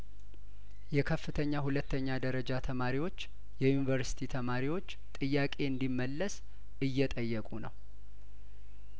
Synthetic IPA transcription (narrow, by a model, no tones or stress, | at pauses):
jɛkʰəfːɨt̪ʰəɲːahulət̪ːəɲːad̪əɾəd͡ʒat̪ʰəmaɾiwo̞t͡ʃː | jɛjunivəɾsi̥t̪ʰit̪ʰəmaɾiwo̞t͡ʃːt̪ʼɨjːakʼe̞ɨnd̪imːəlːəs | ɨjːɛt̪ʼəjːɛkʼunə̰w